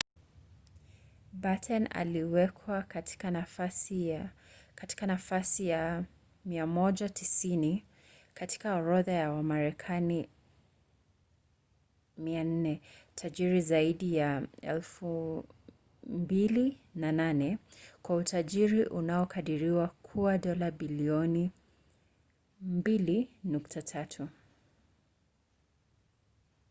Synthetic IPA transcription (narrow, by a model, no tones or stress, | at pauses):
batʰɛna̰liwɛkʰwa | i | kati̥kanafasija | miamɔʄatʰisini | kati̥kaɔɾɔðajawamaɾɛkʰani | mian̩nɛtʰaʄiɾizaiɗijaɛ̰lfu | mbilinananɛkwautʰaʄiɾiʔunaɔkʰaɗiɾiwakʰuaɗɔlaɓiliɔni | mbilinuktʰatʰatʰu